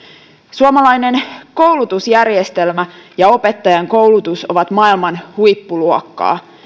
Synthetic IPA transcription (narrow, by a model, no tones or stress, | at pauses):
suomɑlɑjne̞nko̞uwlut̪usjærjest̪e̞lmæjɑo̞pe̞t̪ːɑjɑŋko̞wlut̪usoʋɑt̪mɑilmɑnhujpːuluokːɑ̰ː